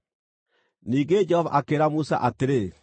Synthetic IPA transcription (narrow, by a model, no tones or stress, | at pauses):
niːɡed͡ʒɛɔva̰ʔakeɾamusa̰ʔateɾe